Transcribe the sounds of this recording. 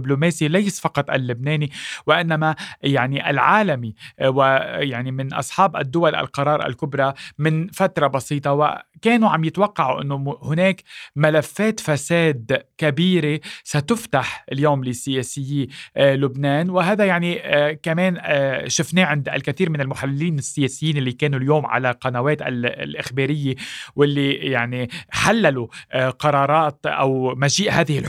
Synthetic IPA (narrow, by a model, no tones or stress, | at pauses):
ɪblomeːsilajsfɑqɑt̪ˤʔa̰lːʊbneːniwɪʔɪnːamajaʕniʔa̰lʕaːlamiwɪjaʕnimɪnʔɑ̰sˤħɑːbʔa̰d̪ːʊwalʔa̰lqɑɾˤɑːɾˤʔa̰lkʊbɾˤɑmɪnfat̪ɾˤɑbɑsiːt̪ˤɑwɪ̰keːnuʕamjɪt̪wɑqːɑʕuʔɪ̰nːohʊneːkmalafːeːt̪faseːd̪kabiːɾesat̪ʊft̪aħɪljoːmlɪsːɪjeːsɪjːelʊbneːnwɪɦaːðajaʕnikameːnʃɪfneːʕɪnd̪ʔa̰lkaθiːɾmɪnɪlmʊħalːɪiːnɪsːɪjeːsɪjːiːnʔɪlːikeːnuljoːmʕa̰laqɑnaweːt̪a̰llʔɪxbeːɾɪjːewɪlːijaʕniħalːaluqɑɾˤɑːɾˤɑːt̪ʔa̰wmaʒiːʔhaːðɪhɪl